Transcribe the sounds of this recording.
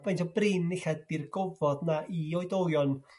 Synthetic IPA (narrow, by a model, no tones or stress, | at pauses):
b̥ejntʰɔbrɪniɬɛd̚birɡɔvɔdnaʔiɔɨdowjɔn